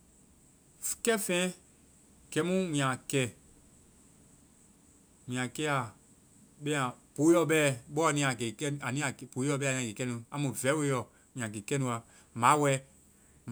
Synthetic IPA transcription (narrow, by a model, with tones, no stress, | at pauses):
fkɛ˦fɛ̃ː˦ | ɡ̥ɛ˨˦mũ˦mĩ˨ã˨kɛ˦˨ | mĩ˨ã˨kɛ˦a˨ | ɓɛ̃˦ã˨po˨˦jɔ˧ɓɛ˦˨ɓɔ˦a˨nĩ˧˦a˨ɡe˨kɛ˦a˨nĩ˦ã˨po˨˦jɔ˧ɓɛː˧˦˨nĩ˧˨ɡe˨kɛ˦nũ˧a˨˦mũ˨vɛ˨˦we˦jɔ˨ | mĩ˨ã˨ɡe˨kɛ˦nũ˧˦a˨ | mãː˨˦wɛ˧˦